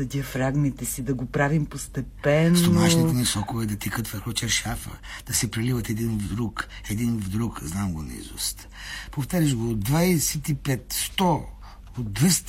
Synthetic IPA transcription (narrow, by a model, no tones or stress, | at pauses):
ɐd̪ʲiɐfɾaɡmit̪ɛsid̪ɐɡopɾavimpost̪ɛpɛnst̪omaʃnit̪ɛnisɔkovɛd̪ɐt̪ɛkət̪vəɾxot͡ʃɛɾʃafə̰d̪̥ɐsɛpɾɛlivət̪ɛd̪invd̪ɾuk | ɛd̪invd̪ɾukznamɡon̰ḭzṵst̪ | poft̪aɾiʒɡod̪vajsɛt̪ipɛt̪st̪ɔ | ot̪̚ːvɛs